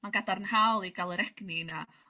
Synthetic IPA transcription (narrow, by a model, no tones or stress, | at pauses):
manɡadaɾənhawlˠiɡalˠəɾɛɡ̥nina